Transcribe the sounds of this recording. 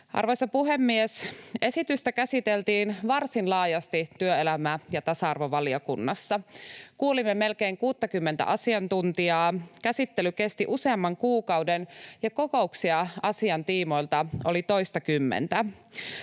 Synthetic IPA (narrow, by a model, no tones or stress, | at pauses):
ʔɑ̰rʋojsɑpuɦemːiese̞sit̪yst̪ækæsit̪elt̪iːnʋɑrsinlɑːjɑst̪it̪yøelæmæjɑt̪ɑsɑɑrʋoʋɑliokunːɑsːɑkuːlimːeme̞lkeːŋkuːt̪ːɑkymːent̪æ̰ʔɑsiɑnt̪unt̪iɑːkæsit̪ːelyke̞st̪iʔuse̞ɑmːɑŋkuːkɑuwdenjɑko̞ko̞uksiɑɑsiɑnt̪iːmo̞jlt̪ɑolit̪o̞ist̪ɑkymːḛnt̪æ